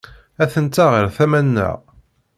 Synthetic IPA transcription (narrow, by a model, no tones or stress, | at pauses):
æθənt̪ːaʁəɾθæmænːə̰ʁ